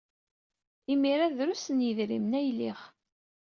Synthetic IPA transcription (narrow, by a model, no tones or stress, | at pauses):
imiɾaðɾusənjəðɾḭmnæjliχ